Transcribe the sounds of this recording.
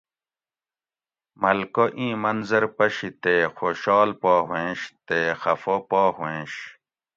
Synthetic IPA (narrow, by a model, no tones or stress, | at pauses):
mɐlkoʔĩːmɐnzɐɾpɐɕit̪eːxoːɕɑːlpaːɦwẽːɕt̪eːxɐfopaːhẽːɕ